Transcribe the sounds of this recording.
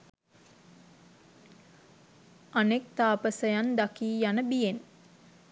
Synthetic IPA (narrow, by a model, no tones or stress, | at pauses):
anek̚t̪aːpəsəjand̪akiːjanəbijen